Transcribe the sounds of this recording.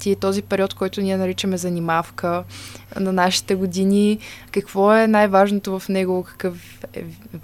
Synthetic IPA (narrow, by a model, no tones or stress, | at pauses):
t̪it̪ɔzipɛɾiɔt̪kɔjt̪ʊniɛnɐɾit͡ʃəmɛzɐnimafkənɐnaʃi̥t̪ɛɡʊd̪inʲikɐkvɔɛnajvaʒnot̪ovɐfnɛɡokɐ̥kɤf | ɛ̰